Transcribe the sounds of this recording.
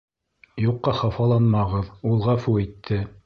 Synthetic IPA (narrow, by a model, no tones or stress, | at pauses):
juqːɑχɑfɑlˠɑnmɑʁɤðulˠʁɑfuɘ̆jt̪ʰːɘ